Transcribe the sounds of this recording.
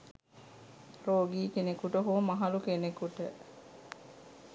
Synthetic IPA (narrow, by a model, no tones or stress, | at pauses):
roːɡiːkenekuʈəɦoːmɐɦɐlukenekuʈə